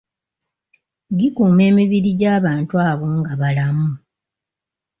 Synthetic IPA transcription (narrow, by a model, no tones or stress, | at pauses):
ɡikuːme̞ːmiβiɾiɟaːβaːntuaːβoːŋɡaβalamu